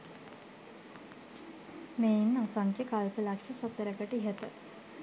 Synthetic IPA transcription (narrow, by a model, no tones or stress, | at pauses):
meinɐsaŋkekalpəlakʂɐsət̪ːəɾəkəʈiɦet̪ə